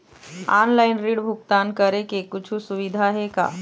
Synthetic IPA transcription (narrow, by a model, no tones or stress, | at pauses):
aːnlaːɪnɾiːɽbʱʊk̚t̪aːnkəɾekekʊt͡ʃʰusʊʋɪd̪ʱaɦɛka̰ː